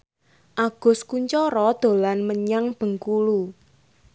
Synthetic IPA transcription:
ʔaɡ̥ʊ̤skuɲt͡ʃɔɾɔd̪̥o̤lanməɲaŋb̥ə̤ŋkulu

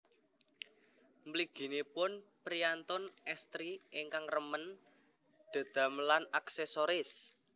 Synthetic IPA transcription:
mbliɡ̥i̤nepʊnpɾiant̪ʊnɛst̪ɾiɪŋkaŋrəmən | d̪̥a̤d̪̥a̤mlanaksesoɾɪs

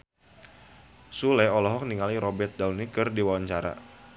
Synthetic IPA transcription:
sulɛɔlɔɦɔk̚niŋaliɾɔbɛrt̪̚daulnikɨrdiwawaɲt͡ʃaɾa̰

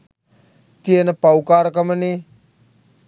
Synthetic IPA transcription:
t̪ienəpawkaːɾkaməni

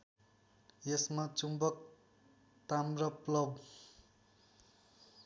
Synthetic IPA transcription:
jesmat͡sumbʌk | t̪amrʌplʌb

